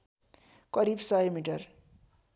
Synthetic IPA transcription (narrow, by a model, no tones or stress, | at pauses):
kʌɾibsʌjmiʈʌr